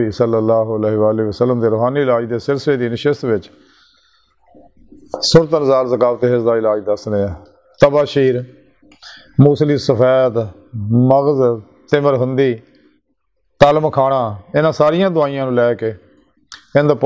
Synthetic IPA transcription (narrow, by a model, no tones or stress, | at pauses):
iːsəlːəlːaːɦʊəleːɦʋaːleːʋəsəlːəmd̪eːɾoːɦaːniːɪlaːd͡ʒd̪eːsɪɾsəleːd̪iːnɪʃɪst̪ʋɪt͡ʃ | sʊɾt̪ənəzaːlzəkaːft̪eːɦɪsd̪aːɪlaːd͡ʒd̪əsnẽːaː | t̪əbaːʃiːɾ | muːsliːsəpʰɛːt̪ | məɣz | t̪ɪməɾɦʊ̃nd̪iː | t̪aːlmkʰaːɽãːɪnãːsaːɾɪjãːd̪ʊaːijãːnũːlɛːkeː | ɪ̃nd̪aːp